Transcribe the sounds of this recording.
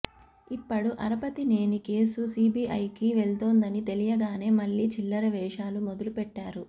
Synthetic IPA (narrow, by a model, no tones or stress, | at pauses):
ipːɐɽuʔɐɾɐpɐt̪ine̞ːnike̞ːsusiːbiːʔɐjkiʋeɭt̪oːnd̪ɐnit̪elijɐɡaːne̞ːmɐɭːiːt͡ʃilːɐɾɐʋɛːʂaːlumod̪ulupɛʈːaːɾu